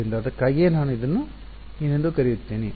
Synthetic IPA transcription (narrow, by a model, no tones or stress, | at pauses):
ind̪ɐɐd̪ɐkːaːɡienaːnuid̪ɐnːu | inend̪ukɐɾijut̪ːeːni